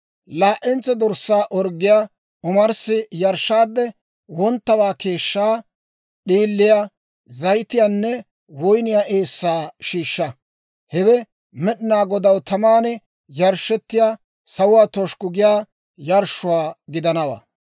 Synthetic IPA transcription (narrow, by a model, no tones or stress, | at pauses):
laːʔɛnt͡sːɛd̪ɔɾsːaːʔɔɾɡːɪjaː | ʊmɐɾsɪjɐɾʃːaːd̪ːɛ | wɔnt̪ːɐbaːke̞ːʃːaː | ɗiːlːɪja | zɐjt̪ɪjaːnːɛ | wɔjnɪjaːʔe̞ːsːaːʃiːʃːɐ | hɛwɛ | mɛɗɪnaːɡɔd̪ɐwt̪ɐmaːnɛ | jɐɾʃɛt̪ːɪjaː | sɐwʊwaːt̪ɔʃkʊɡɪjaː | jɐɾʃʊwaːɡɪd̪ɐnɐwa̰ː